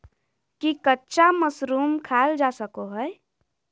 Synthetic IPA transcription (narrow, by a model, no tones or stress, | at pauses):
kikətːʃaməsɾuːmkʰald͡ʒasəkoɦɛ